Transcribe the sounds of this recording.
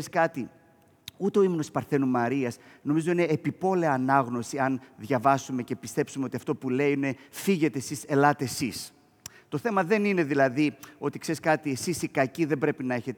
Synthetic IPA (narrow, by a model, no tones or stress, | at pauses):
skɐt̪i | ut̪e̞o̞imonospɐɾθe̞numɐɾiɐsno̞mizo̞ine̞ːpipo̞leɐːnɐɣno̞siɐnðʝɐvɐsume̞ce̞pist̪e̞psumeo̞t̪iɐft̪o̞pule̞iine̞fiʝe̞t̪e̞ːsise̞lɐt̪esis | t̪o̞θe̞mɐðe̞nine̞ðilɐðio̞t̪ikse̞ɾiskɐt̪iesisikɐciðe̞mbɾe̞pinɐe̞çe̞t̪